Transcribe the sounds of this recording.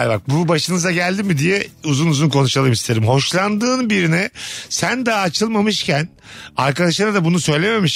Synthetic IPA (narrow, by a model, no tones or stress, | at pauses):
aɾʲbak̚bubaʃɯnɯzaɟælʲd̪imid̪ijɛuzunuzunkʰo̞nuʃalˠɯmist̪ʰe̞ɾimɦo̞ʃlˠand̪ɯːnbiɾinɪsænd̪aːt͡ʃʰɯlˠmamɯʃcæn | aɾkad̪aʃˠaɾad̪abunusø̞jlʲe̞me̞miʃ